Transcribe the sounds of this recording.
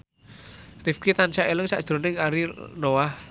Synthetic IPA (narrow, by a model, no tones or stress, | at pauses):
rifkit̪ant͡ʃaʔelɪŋsa̰ʔʒ̥ɾo̤nɪŋaɾinowah